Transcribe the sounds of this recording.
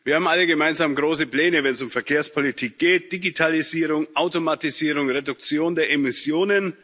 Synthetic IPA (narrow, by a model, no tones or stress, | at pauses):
viɐhaːbmʔaləɡəmaɪnzaːmɡʁoːs̬əpl̥ɛːnəvɛnsʊmfɛɐkʰeːɐspʰolitʰiːk̚ɡ̥eːt̚d̥iɡitʰaliziːʁʊŋʔaʊtomatiziːʁ̞ʊŋʁedʊk̚t͡sjoːndeːɐʔemɪsjoːnən